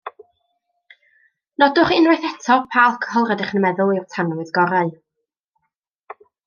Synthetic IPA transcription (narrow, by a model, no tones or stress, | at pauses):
nɔdʊχɪnrajθɛtʰɔpʰalˠkʰhɔlˠrədɪχənmɛðʊlˠɪrtʰanɔwɪðɡɔɾaɨ